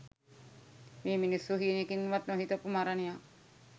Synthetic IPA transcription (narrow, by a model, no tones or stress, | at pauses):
meːminisːuɦiːnekinːʋat̪noɦit̪opːumaɾaneja